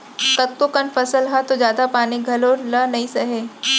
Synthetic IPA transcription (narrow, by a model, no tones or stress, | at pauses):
kɐt̚kokɐnfɐsəlɦat̪od͡ʒjaːd̪apaːniɡʱɐlolənɐĩsɐɦeː